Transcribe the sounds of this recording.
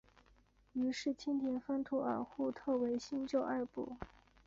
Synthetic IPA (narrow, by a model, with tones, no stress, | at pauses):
y˧˥ʂɻ̩˥˩t͡ɕʰi˥nt̪ʰi˧˥nfa˥nt̪ʰu˧˥ə̰˨˩xu˥˧t̪ʰɤ˥˩we˧˥ɪɕi˥nt͡ɕjo˥˧ʊʔa˥˧pṵ˥˩